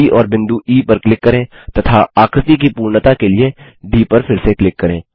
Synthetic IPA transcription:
iʔɔːɾbɪ̃nd̪uʔiːpɐɾklɪkːɐɾẽːt̪ɐt̪ʰaaːkɾɪt̪ik̬ipuːɾnət̪akelie | ɖiːpɐɾfʰɪɾseklɪkːɐɾẽː

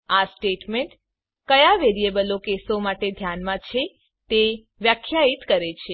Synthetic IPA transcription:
asʈeʈmeɳʈ | kəjaʋeɾiebəlokesomaʈed̪ʱjanmãt͡ʃʰe | t̪e | ʋjakʰːjait̪kəɾet͡ʃʰe

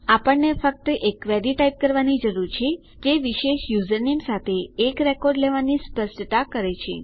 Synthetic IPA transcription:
apəɳːefək̚t̪əʔekʋɛɾiʈajp̚kəɾʋanid͡ʒəɾuɾt͡ʃʰe | d͡ʒeʋiʃeʃjuzəɾnimsat̪ʰeːkɾɛkɔɾɖleʋanispəsʈət̪akəɾet͡ʃʰḛ

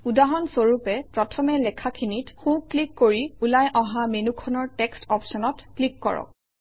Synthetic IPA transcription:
udaɦɔnsoɹupɛpɹɔtʰɔmɛlɛkʰakʰinitxũklikːoɹiulajʔɔ̃ɦamenukʰɔnɔɹtɛkstɔpsɔnɔtklikːɔ̰ɹɔ̰k̚

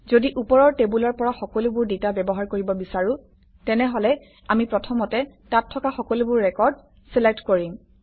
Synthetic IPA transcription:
zodiʔupɔɹɔɹtebulɔɹpɔɹaxɔkɔlubʊɹditabɛbɔɦaɹkoɹibɔbisaɹʊ̃ | tɛnɛɦɔlɛ | amipɹɔtʰɔmɔtɛtatʰːɔkaxɔkɔlubʊɹːɛkɔɹd̚ | sɛlek̚tkoɹim

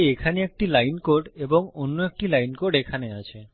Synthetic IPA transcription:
ekʰaneek̚ʈilajnkoɾɖeboŋonːoek̚ʈilajnkoɾɖekʰaneat͡ɕʰe

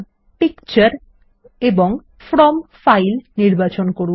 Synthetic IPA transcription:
pikt͡ɕaɾ | eboŋ | fɾɔmfajlniɾbat͡ɕonkoɾu

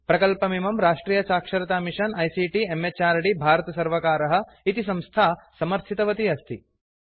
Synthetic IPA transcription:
pɾɐkɐlpɐmimɐmɾaːʂʈɾiːjɐsaːkʂɐɾɐt̪aːmiʂɐnɐjsiːʈiemet͡ʃaːɾɐɽibʱaːɾɐt̪ɐsɐɾʋɐkaːɾɐɦɐ̆ | it̪isɐ̃mst̪ʰaːsɐmɐɾt̪ʰit̪ɐʋɐt̪iɐst̪ʰi

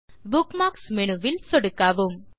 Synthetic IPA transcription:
bukmaːksmenuʋɪlsɔɽɯkːaːʋum

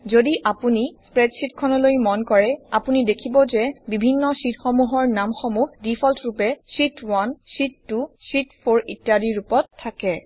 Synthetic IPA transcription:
zodiʔapunispɹɛdsitkʰɔnɔlojmɔnkɔɹɛapunidekʰibɔzɛbibʱinːɔsitxɔmuɦɔɹnamxɔmuhdifʰɔltɹupɛsitwansitːusitpʰoɹitjadiɹupɔtʰːakɛ

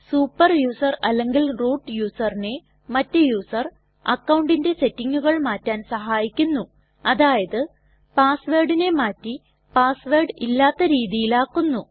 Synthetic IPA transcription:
suːpːɐrjuːsɐrɐlːeŋɡilroːʈːjuːsɐrine̞ | mɐtːɨjuːsɐr | ɐkːɐwɳɖinde̞se̞tːiŋːuɣɐɭmaːtːaːnsɐɦaːjikʲːunːu | ɐðaːjɐðɨ | paːsʋeːrɖine̞maːtːi | paːsʋeːɖilːaːt̪ːɐɾiːðijilaːkːunːu

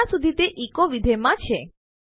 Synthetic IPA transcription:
asud̪ʱit̪eʔikoʋid̪ʱemãt͡ʃʰe

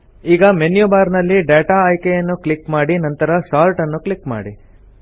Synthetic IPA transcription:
iːɡɐmenjubaːɾnɐlːiɖeːʈaːjkejɐnːuklikmaːɽinɐnt̪ɐɾɐsaːlʈɐnːuklikma̰ːɽi

